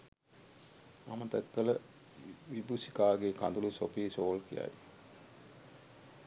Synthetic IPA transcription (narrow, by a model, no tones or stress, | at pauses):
mamət̪ækːələ | ʋibusi̥kaːɡeka̰nd̪ulusopiːsoːlkija̰j